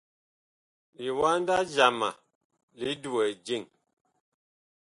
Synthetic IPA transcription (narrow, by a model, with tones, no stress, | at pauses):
li˨wa˦n˦da˦d͡ʒa˨ma̰˨ | li˦du˨ɛ˨d͡ʒi˦˨ŋ